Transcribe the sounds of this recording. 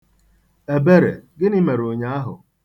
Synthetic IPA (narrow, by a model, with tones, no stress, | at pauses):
e˨be˦ɾḛ˨ɡɪ˦ni˦me˨ɾo˨ɲa˦a˦ɦʊ̰˨